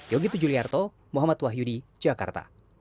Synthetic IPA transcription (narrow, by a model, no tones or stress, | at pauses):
jɔɡit̪ud͡ʒuliart̪ɔ | mɔɦamat̪waɦjudid͡ʒaka̰rt̪a̰